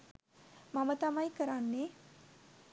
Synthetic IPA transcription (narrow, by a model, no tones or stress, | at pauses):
mamət̪amajkəɾanːe